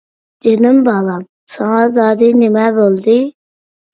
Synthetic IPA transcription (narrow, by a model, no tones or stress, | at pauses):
d̪̥enɪmbɑlˠɑm | sɑŋɑzɑːd̪ɨnɪmɛbolˠd̪ɪ